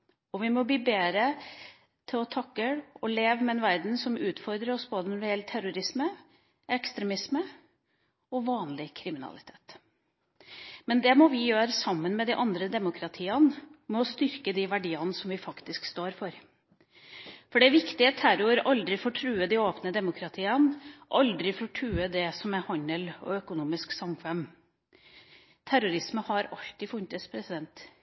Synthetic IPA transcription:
ɔʋɪmɔbiːbeːɾə | t̪ʰɪlɔt̪ʰɑkːəɽɔleːʋəmɛɛnʋæɾd̪n̩sɔmʉːt̪fɔɾd̪ɾəɾɔsboːd̪ənʊɖɪɛlt̪ʰːæɾʊɾɪsmə | ʔɛkst̪ɾɛmɪsmə | ɔʋɑːnlɪkʰɾɪmɪnɑ̰lɪt̪ʰe̥ːt̪ | mɛnd̪ɛmɔʋɪjøːɾəsɑmːənmɛd̪ɪʔɑnd̪ɾəd̪ɛmʊkʰɾɑt̪ʰiːɑnmɔɔst̪ʏɾkəd̪iʋæɖiːɑnsɔmʋɪfɑkt̪ɪskst̪oːɾfɔɾ | fɔɖɛæʋɪkt̪ɪɑt̪ʰːæɾʊəɾɑld̪ɾɪfoːʈʰɾʉːəd̪ɪoːpnəd̪ɛmʊkʰɾɑt̪ʰiːənɔʔɑld̪ɾɪfoːʈʰɾʉːəd̪ɛsɔmɛhɑɲəlɔ̰œkʊnuːmɪsksɑmkʰʋɛm | t̪ʰæɾʊɾɪsməhɑɾɑlt̪ɪfʊnt̪əspʰɾɛsɪd̪ɛnt̪

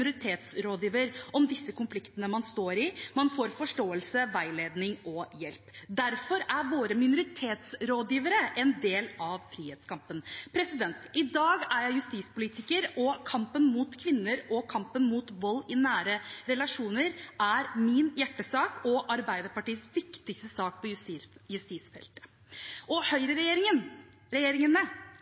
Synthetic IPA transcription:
ʊɾɪt̪ʰeːt̪sɾoːd̪jiːʋəɾʔɔmd̪ɪsːəkʊnflɪkt̪ənəmɑnst̪oːɾɪmɑnfoːɾfɔʂʈoːəlsəʋæɪleːd̪nɪŋɔjɛlpd̪æɾfɔɾæɾʋoːɾəmɪnʊɾɪt̪ʰeːt̪sɾoːd̪jiːʋəɾəʔɛnd̪eːlɑʋfɾiːhɛːt̪skʰɑmpənpʰɾɛsɪd̪ɛnt̪ɪd̪ɑːɡæɾjæɪjʉst̪iːspʊliːt̪ɪkəɾɔkʰɑmpənmuːt̪kʰʋɪnːəɾɔkʰɑmpənmuːt̪ʋɔlːɪnæːɾəɾɛlɑʂuːnəɾʔæɾmɪnjæʈːəsɑːkɔʔɑɾbæɪd̪əɾpɑʈiːəsʋɪkt̪ɪkst̪əsɑːk̚pʰɔjʉst̪iːsfɛ̰lt̪ə̥ | ʔɔhœʏɾəɾɛjeːɾɪŋən | ɾɛjeːɾɪŋənə

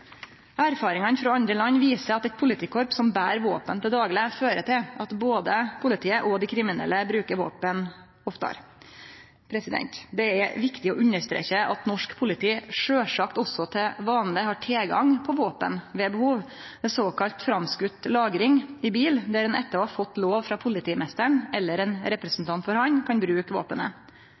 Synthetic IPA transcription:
æɾfɑːɾɪŋɑnfɾɑɑnd̪ɾəlɑnːʋiːsəɾɑt̪ɛt̪pʰʊlɪt̪ʰiːkʰɔɾpsɔmbæ̰ːɾʋoːpənt̪ʰɪld̪ɑːɡlɪføːɾət̪ʰɪlʔɑt̪boːd̪əpʰʊlɪt̪ʰiːəʔɔd̪ɪkʰɾɪmɪnɛ̰lːəbɾʉːkəɾʋo̰ːpən | ɔft̪ɑ̰ɾ | pʰɾɛsɪd̪ɛ̰nt̪d̪ɛæʋɪkt̪ɪɔ̰ʔʉnːəʂt̪ɾḛːçəɑt̪nɔʂkpʰʊlɪt̪ʰiːʂøːʂɑkt̪ɔsɔt̪ʰɛʋɑːnlɪhɑʈʰeːɡɑ̰ŋpʰɔʋoːpə̰nʋɛbəhuːʋ | d̪ɛsoːkɑlt̪fɾɑmskʉt̪ːlɑːɡɾɪŋɪbiːld̪æɾɛnɛ̰t̪ːəɑfɔt̪ːloːʋfɾɑpʰʊlɪt̪ʰiːmɛst̪əɳɛlːəɾɛnɾɛpɾəsn̩t̪ʰɑnt̪fɔɾhɑnkʰɑnbɾʉːkʋo̰ːpənə̰

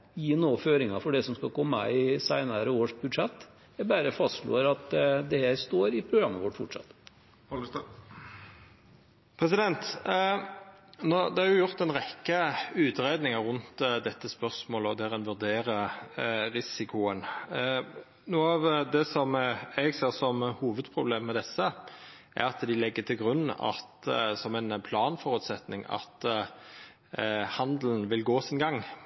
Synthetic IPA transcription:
jiːnoːføːɾɪŋɑfɔɖɛsɔmskɑkʰɔmːə̰ɪsæɪnɑɾəoːʂbʉd̪ʂɛt̪ː | æbæːɾəfɑst̪ʂlo̰ːɾɑt̪d̪ɛhæːɾst̪oːɾɪpʰɾʊɡɾɑmːəʋɔʈːfʊʈʂɑ̰t̪ː | pʰɾɛs̬ɪd̪ɛnt̪ | noːd̪ɛhɑɾjʊjʊʁt̪ɛnʁɛkːəʉːt̪ɾeːd̪nɪŋəʁʉnt̪d̪ɛt̪ːəspœʁsmoːləɔd̪æʁɛnʋʉʁd̪eːɾə | ɾɪsɪkʰʊən | nuːɑʋd̪ɛsɔmɛɡseːʁsɔmhuːʋəd̪pʰʁʊbleːmːɛd̪ɛsːəʔæ̰ɾɑt̪d̪ɪlɛɡːət̪ʰɪlɡʁʉnːɑ̰t̪sɔmɛnpʰlɑːnfɔʁʉt̪sɛt̪nɪ̰ŋɑ̰t̪ | hɑnd̪lnʋɪlɡoːsɪnɡɑŋː

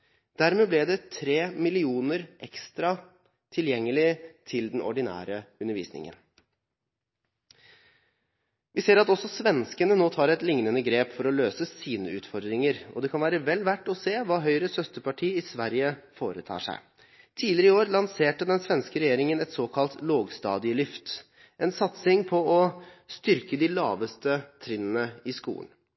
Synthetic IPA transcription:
d̪̥æɾmeːblɛd̪ɛt̪ʰɾeːmɪlɪuːnəɾʔɛkst̪ɾɑ | t̪ʰɪljɛŋːəlɪt̪ʰɪld̪ɛnʔɔ̰ɖɪnæ̰ːɾəʉnːəɾʋḭːsnɪ̰ŋə̰n | ʋɪseːɾɑt̪ɔsɔsʋɛnskənənoːt̪ʰɑːɾɛt̪lɪŋnənəɡɾeːpfɔɾɔløːsəsiːnəʉːt̪fɔɾd̪ɾɪŋəɾɔ̰d̪ɛkʰɑnʋæːɾəʋɛlːʋæʈːɔseːʋɑːɦœʏɾəsœst̪əpɑʈʰiːɪsʋæɾjəfoːɾət̪ʰɑ̰ːʂæ̰ɪ | t̪ʰiːlɪɾəɪoːɾlɑnseːʈəd̪ɛnsʋɛnskəɾɛjeːɾɪŋənɛt̪soːkʰɑlt̪loːɡst̪ɑ̰ːd̪ɪəlʏft̪ | ʔɛnsɑt̪sɪŋpʰɔɔst̪ʏɾkəd̪ɪlɑːʋəst̪ət̪ʰɾɪnənəɪskṵːə̰n

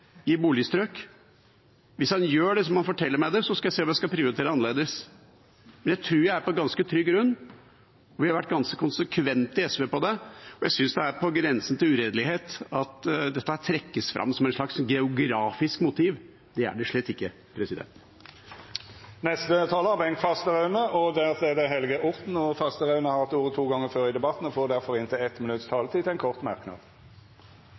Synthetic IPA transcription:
ɪbuːlɪəst̪ɾøːk | ʋɪshɑnjøːɖɛsɔmhɑnfɔʈʰɛlːəɾmæɪd̪ɛsɔskɑjæɪseːɔmjæɪskɑpʰɾɪʊɾɪt̪ʰeːɾəɑnəleːd̪əs | mɛnjæɪt̪ʰɾʉːɾjæɪæɾpɔɡɑnskət̪ʰɾʏɡːɡɾʉnː | ɔʋɪhɑɾʋæʈ̚ːɡɑnskəkʰʊnsəkʰʋɛnt̪ɪɛsʋeːpɔd̪ɛɔjæsʏnsd̪ɛæɾpʰɔɡɾɛnsən̩t̪ɪlʉɾeːd̪lɪɦeːt̪ɑt̪d̪ɛt̪ːəht̪ʰɾɛkːəsfɾɑ̰mːsɔmæɛnʂlɑksɡɛʊɡɾɑːfɪskmʊt̪ʰiːʋ | d̪̥ɛæ̰ɖɛʂɭɛːt̪ːɪkːə | pʰɾɛsɪd̪ɛ̰nt̪ | nɛst̪ət̪ʰɑːləɑbɛŋkfɑst̪əʁɑʉnəʔɔd̪æʁseːd̪əɦɛlɡəʔʊʁt̪n̩ɔfɑst̪əʁɑʉnəhɑʁɑt̪uːɾət̪ʰuːɡɑŋːəføːɾɪd̪ɛbɑt̪n̩ɔfoːd̪æɾfɔɾɪnt̪ʰɪlɛt̪mɪnʉt̪st̪ʰɑːlət̪ʰiːt̪ɛɪnkʰɔʁt̪mæʁknɑ̰ːd̪

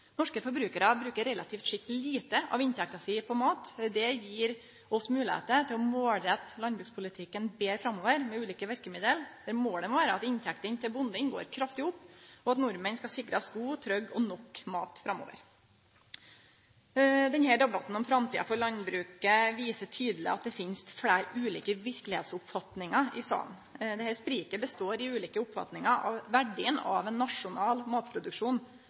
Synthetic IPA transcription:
nɔʂkəfɔɾbɾʉːkəɾɑbɾʉːkəɾɛlʔɑt̪ʰiːft̪ʂɪk̚t̪liːt̪əʔɑ̰ːʋɪnt̪ʰɛkt̪ɑsiːpʰɔmɑːt̪d̪ɛjiːɾ | ʔɔsmʉːlɪhḛːt̪ət̪ʰɪlɔmoːlɾɛt̪ːlɑnbɾʉːkspʰʊlɪt̪ʰɪkːənbeːɾfɾɑmoːʋəɾmɛʉːliːkəʋæɾkəmɪd̪əld̪æɾmoːɖ̪ɛmɔʋæːɾəɑt̪ɪnt̪ʰɛk̚t̪ənt̪ʰɪlbʊnd̪ɪŋɡo̰ːɾkʰɾɑft̪ɪhʊpːɔɑt̪nʊɾmənskɑsɪkɾɑsɡuːt̪ʰɾœɡːɔnɔkːmɑ̰ːt̪fɾɑmo̰ːʋə̰ɾ | d̪ɛnhæːɖɛbɑt̪n̩ɔmfɾɑmt̪ʰiːɑfɔɾɭɑnbɾʉːkəʋiːsəʈʰyːd̪əlɪ̰ɑt̪̚d̪ɛfɪnst̪fɽæɪɾʉːlḭːkəʋɪɾklɪhḛːt̪sʊpfɑt̪nɪŋɑɪsɑ̰ːn | d̪ɛhæspɾiːkəbəst̪oːɾɪʉːliːkəʊpfɑ̰t̪nɪŋɑɑ̰ʋʋæɖɪənɑ̰ːʋɛnːɑʂʊnɑːlmɑːt̪pʰɾʊd̪ʉkʂuːn

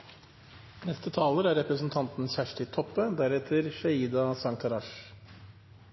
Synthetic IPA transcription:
nɛst̪ət̪ʰɑːləɾæɾɛpɾəsn̩t̪ʰɑnt̪n̩sæːʂʈɪt̪ʰɔpːəd̪æɾɛt̪ʰəɾʃɑiːd̪ɑsɑŋt̪ʰɑɾɑʂ

